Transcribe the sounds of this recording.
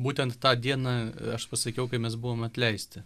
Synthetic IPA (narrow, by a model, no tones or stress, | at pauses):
buːt̪ʲɛnt̪t̪ɑːd̪ʲiɛnɑɐʃpɐsɐkʲɛʊkɐɪmʲɛs̬bʊʋoːmɐt̪ʲlʲɛɪsʲt̪ʲɪ